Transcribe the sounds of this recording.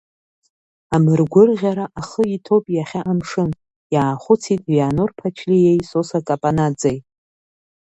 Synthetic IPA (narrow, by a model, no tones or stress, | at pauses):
amɨrɡʷʊrʁʲaɾaʔaχəitʰopʼjaχʲaʔamʂɨn | jaːχʷʊt͡sʰitʼvjanorpʰat͡ʃʰlijejsosakʼapʼanad͡zajtʼ